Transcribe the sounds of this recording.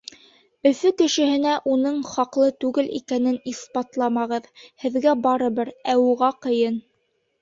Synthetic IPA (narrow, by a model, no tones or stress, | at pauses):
ɵ̆fɵkɘ̆ʃɘ̆hɘ̆næʔunɤɴχɑqlˠɤt̪ʉɡɘlʔḭkænɘnispɑt̪lˠɑmɑʁɤðhɘ̆ðɡæbɑɾɤ̆βɤɾæwuʁɑqɤ̆jɤn